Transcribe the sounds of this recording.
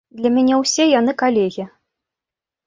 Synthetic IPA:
d̪lʲɐmʲanʲɛwsʲɛjanɨkalʲeɣʲi

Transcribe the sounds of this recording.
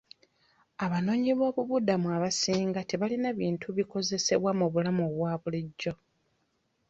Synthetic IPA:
aβano̞ːɲiβo̞ːβuβudamuaβasiːŋɡate̞βalinaβiːntʰuβiko̞ze̞se̞̰βwamuβulamoβwaːβuliɟːo̞

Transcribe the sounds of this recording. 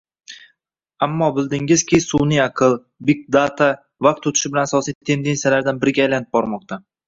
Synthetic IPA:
amːɒbɪld̪ɪŋɪz̥kʲɪsunɪɑqʰɨlˠ | bɪk̚d̪at̪ʰa | vɑq̚t̪ot̪ʰɪ̥ʃɪbɪlanasɒsijt̪ʰe̞md̪ensalaɾd̪anbɪɾɡʲaːjlanɪp̚bɒɾmɒq̚t̪ʰa

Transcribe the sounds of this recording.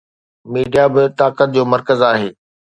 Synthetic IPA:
miːɖijabɪt̪aːkət̪̚d͡ʑoːmɐɾkəzaːɦeː

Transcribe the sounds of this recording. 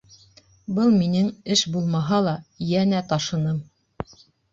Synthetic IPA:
bɤlˠminɘŋɘʃbulˠmɑɦɑlˠɑjænæt̪ɑʃɤ̆nɤm

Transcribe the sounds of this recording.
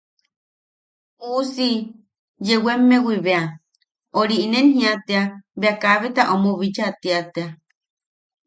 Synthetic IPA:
usi | jewemːewiβea | oɾiinenhĩat̪eaβeakaβet̪aʔomoβid͡ʒat̪iat̪ea

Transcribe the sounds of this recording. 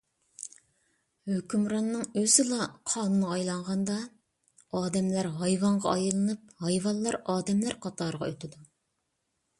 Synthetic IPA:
høkʲymɾɑnːɨŋøzɪlˠɑqʰɑːnɨnɨɑjlˠɑɴʁɑnd̪ɑ | ɑːd̪ɛmlæɾɦɑjwɑɴʁɑ̰ɑjɨlˠɨnɨp̚hɑjvɑllːˠɑɾɑːd̪ɛmlæɾqʰɑt̪ɑɾʁɑøt̪ʰɪd̪u

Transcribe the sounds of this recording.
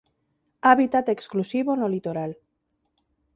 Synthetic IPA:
aβit̪at̪eksklusiβonolit̪oɾal

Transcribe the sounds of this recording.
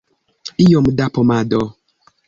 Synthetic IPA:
ijɔmdapɔmadɔ

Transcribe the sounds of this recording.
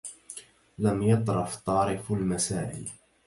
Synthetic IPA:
lamjɑt̪ˤɾˤɑft̪ˤɑːɾɪfʊlmasaːʔɪ̰l

